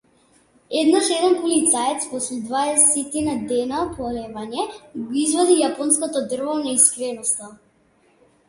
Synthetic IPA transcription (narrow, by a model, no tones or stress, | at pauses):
ɛd̪naʃɛd̪ɛnpɔlit̪saɛt̪spɔslɛd̪vaɛsɛt̪inad̪ɛnapɔlɛvaɲɛɡɔizvɔd̪ijapɔnskɔt̪ɔd̪r̩vɔnaiskɾɛnɔst̪a